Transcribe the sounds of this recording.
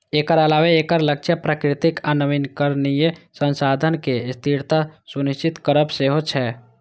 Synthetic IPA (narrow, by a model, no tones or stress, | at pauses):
eːkəɾəlaːʋeeːkəɾlək̚t͡ʃəpɾaːkɾɪt̪ɪkaːnəʋɪnkəɾnijesə̃nsaːd̪ʱənkest̪ʰiɾt̪asʊnɪʃt͡ʃɪt̪kəɾəbseːɦot͡ʃʰɛː